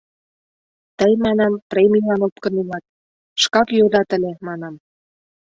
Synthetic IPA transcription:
t̪əjmɑnɑmpremʲilɑnop̚kə̆nelɑt̪̚ | ʃkɑkjod̪ɑt̪ə̆lʲemɑnɑm

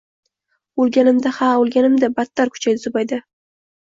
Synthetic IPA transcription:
olˠɡʲanɪmd̪ahaolˠɡʲanɪmd̪abat̪ːaɾkʰʊ̥t͡ʃʰajd̪ɪsʰʊbajd̪ɪ

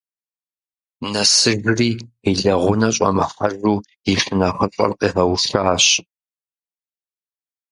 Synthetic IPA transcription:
nɐsɨɣriːiɮɐʁʷʊnɐɕʼɐ̰mɐχɐʒuː | iʂɨnɐχɐɕʼɐ̰rqʼiːħɐwʂaːɕ

